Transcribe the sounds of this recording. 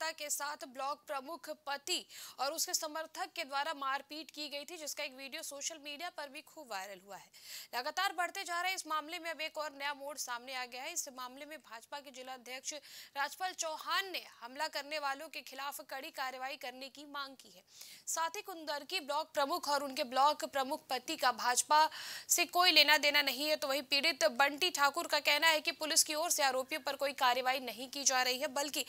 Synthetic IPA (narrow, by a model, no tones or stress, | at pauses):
t̪akesaːt̪ʰblɔːk̚pɾɐmʊkʰpɐt̪iɔːɾʊskesɐməɾt̪ʰəkːed̪waːɾamaːɾpiːʈkiɡɐit̪ʰid͡ʒɪskaeːkʋiːɖijosoːʃəlmiːɖijapɐɾbʱikʰuːbʋaːɪɾəlɦuaɦɛːlɐɡaːt̪aːɾbɐɽ̤t̪ed͡ʒaːɾaɦɛɪsmaːmlemẽɐbeːkɔːɾnɐjamoːɖsaːmneaːɡɐjaɦɛɪsmaːmlemẽbʱaːd͡ʒpaked͡ʒɪlaɐd̪ʱjəkʃɾaːd͡ʒpəlt͡ʃɔːhaːnːehɐmlakɐɾneʋaːlõkexʰɪlaːfkɐɽikaːɾjəʋaːikɐɾnekimãːŋɡ̚kiɦɛːsaːt̪ʰɪkʊnd̪əɾkiblɔːk̚pɾɐmʊkʰɔːɾʊnkeblɔːkpɾɐmʊkʰpɐt̪ikabʱaːd͡ʒpasekoːileːnad̪eːnanɐɦĩɦɛt̪oʋɐɦĩpiːɽɪt̪bɐ̃ɳʈiʈʰaːkʊɾkakɛɦnaɦɛkipʊlɪskiɔːɾseaːɾoːpjõpɐɾkoːikaːɾjəʋaːinɐɦĩkid͡ʒaːɾɐɦiɦɛbɐlki